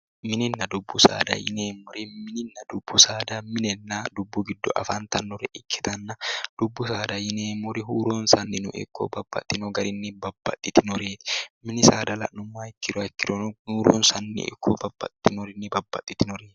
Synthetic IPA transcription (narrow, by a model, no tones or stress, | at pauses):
mɪnɪnːɐd̪ʊbːʊsa̰ːd̪ɐ̰jɪ̰neːmɔɾɪmɪnɪnːɐd̪ʊbːʊsaːd̪ɐmɪnɛnːad̪ʊbːʊɡɪd̪ːɔʔɐ̰faːnt̪ɐnːɔɾɛʔɪkʰːɛ̥t̪ɐnːɐd̪̥ʊbːʊsaːd̪ɐjɪneːmɔɾɪɦuːɾoːnsɐnːɪnʊ̰ʔɪ̰kʰːo̰ːbɐbːɐ̰t̪ʼːɪnɔɡɐɾɪnːɪbɐbːɐ̰t̪ʼːɪt̪ɪnɔɾeːt̪ɪ̥mɪnɪsaːd̪ɐlɐ̰ʔnʊmːaːɛkːɪɾɔkːɪɾɔnhuːɾo̰ːnsɐnːɪ̰ɛ̰kʰːoːbɐb̥ːɐ̰t̪ːɪnɔɾɪnːɪbɐbːɐ̰t̪ʼːɪt̪ɪnɔɾeːt